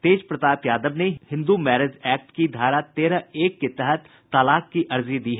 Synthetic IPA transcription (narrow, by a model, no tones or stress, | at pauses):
t̪eːd͡ʒpɾɐt̪aːpjaːd̪əbnehɪ̃nd̪umɛːɾed͡ʒɛːk̚ʈkid̪ʱaːɾat̪eːɾəeːkːet̪ɛɦət̪ːalaːkkːiʔɐɾzid̪iːɦɛː